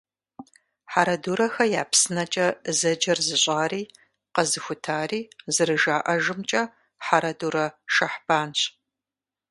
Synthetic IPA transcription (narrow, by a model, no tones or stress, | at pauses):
ħaɾɐduːɾɐxɐjaːpsɨnɐt͡ʃʼɐzɐd͡ʒɐrzɨɕʼaːriː | qɐzɨxʷʊtʰaːriːzɨrɨʒaːʔɐʒɨmt͡ʃʼɐ | ħaɾɐduɾɐʃɐħb̥aːnɕ